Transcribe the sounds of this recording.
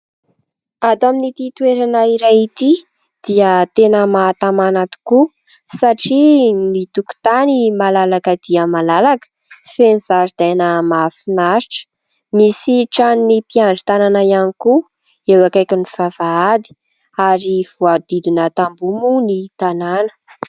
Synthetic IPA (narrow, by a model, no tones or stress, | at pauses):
ad̪aminit̪it̪ueɾanaiɾajit̪i | d̪̥iət̪enəmaːt̪amanat̪u̥ku | saʈ͡ʂinit̪uku̥t̪animalalakəd̪̥iəmalalakə̥ | fenizaɾd̪̥anəmafinaɾiʈ͡ʂə̥ | misiʈ͡ʂannipiaɳɖ͡ʐi̥t̪ananaianiku | ewakajkiniv̥avaad̪i̥ | aɾiv̥uad̪id̪inət̪ambumunit̪ananə̥